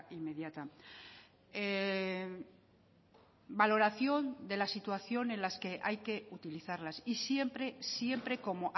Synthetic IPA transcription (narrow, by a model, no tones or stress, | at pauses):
ime̞ðjat̪a | e | balo̞ɾaθjo̞nd̪e̞lasit̪waθjo̞nẽ̞nlaske̞ʔajke̞ut̪iliθaɾlasisje̞mpɾe̞sje̞mpɾe̞ko̞mo̞ʔ